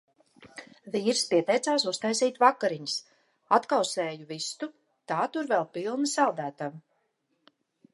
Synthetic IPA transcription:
viːɾspiɛt̪ɛjt̪saːsust̪ajsiːt̪vakaɾiɲs | at̪kawseːjuvist̪u | t̪aːt̪uɾvɛlˠpilˠnɨsalˠd̪æːt̪av

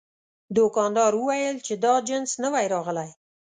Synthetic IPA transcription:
d̪okɑnd̪ɑɾwəwajəlt͡ʃed̪ɑd͡ʒɪnsnəwajɾɑʁəlaj

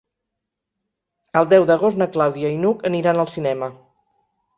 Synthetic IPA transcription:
əlˠd̪ɛwd̪əɣ̞ost̪nəklawðiəinukəniɾanəlˠsinɛmə

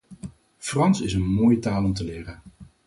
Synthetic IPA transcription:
frɑnsɪsənmoːjətaːlɔmtəlɪːrən

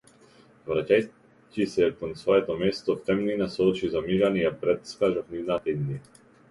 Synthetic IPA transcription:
vɾacaj | cisɛkɔnsvɔɛt̪ɔmɛst̪ɔft̪ɛmninasɔt͡ʃizamiʒanijapɾɛt̪skaʒɔfnivnat̪aid̪ni

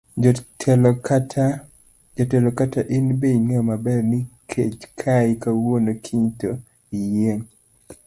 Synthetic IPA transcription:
tʰlatʰ | d͡ʒatɛlokataʔɪnbeŋemabɛrnɪkʰḛt͡ʃkʰaɪkawonokʰiɲto | ijeŋ

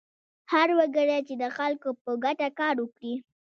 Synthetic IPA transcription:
haɾwaɡəɾat͡ʃed̪əxalkopəɡaʈakɑɾwəkɽi

